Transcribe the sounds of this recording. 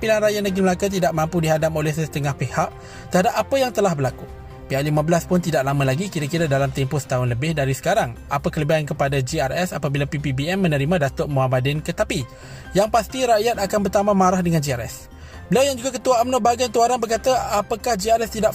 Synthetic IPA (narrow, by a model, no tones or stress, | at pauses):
pinanɾajanaɡiməlakat̪̬idaʔmãmpudiɦadap̚olɛhsəsə̥t̪əŋahpehaʔ | t̪əhadap̚apəjaŋt̪əlahbərlaku | peaʔlimãbəlaspʊnt̪idaʔlamãlaɡikiɾakiɾadalamt̪ɛmpʊsə̥t̪aɦʊnləbɪhdaɾisə̥kaɾaŋapəkələbiankəpadad͡ʒiarɛsapabilapipibiɛmːənəɾimãdat̪ʊʔmoɦamadɪnkət̪api | jaŋpast̪iɾaʔjat̪akanbərt̪amãmaɾahdəŋand͡ʒiaɾɛ̰s | bəliawjaŋd͡ʒuɡakət̪uaːmnobaɡajt̪uaɾanbərkat̪aapakahd͡ʒiaɾɛst̪idaʔ